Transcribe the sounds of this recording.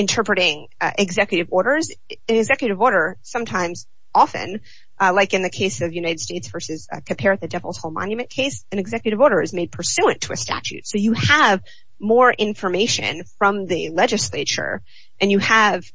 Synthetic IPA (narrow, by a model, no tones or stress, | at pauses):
ɨ̃ntʰɜ˞pɹɨɾɪ̃ŋ | ʔɪɡzɛkjɨɾɨvɔɹɾə˞z | ɨ̃nɨɡzɛkjɨɾɨvɔɹɾə˞sʌ̃mtʰãɪ̃mz̥ | ɑfɨ̰̃n | ʔlaɪkɨ̃nðɨkʰeɪsʌvjʉnaɪɾɨd̥steɪtsv̥ɜ˞sɨz̥kʰɨ̃mpʰɛɹɨt̪̚ðɨdɛvl̩ˠz̥hoʊlˠmɑ̰̃njɨmɨ̃nkʰeɪsɨ̃nɨɡzɛkjɨɾɨvɔɹɾə˞ɨzmeɪd̚pʰə˞sʉɨ̃ntʰəɨstæ̰t͡ʃʉ̰tsoʊjɨəv | mɔɹʔɪ̃ɱfə˞meɪʃɨ̰̃nfɹʌ̃mðɨlɛd͡ʒɨsleɪt͡ʃə̰˞ | ʔɨ̃njɨəv̥